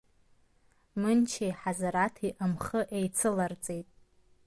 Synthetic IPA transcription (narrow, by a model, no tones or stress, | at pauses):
mɨnt͡ʃʰejħazaɾatʰiʔamχəʔejt͡sʰɨlart͡sʼejtʼ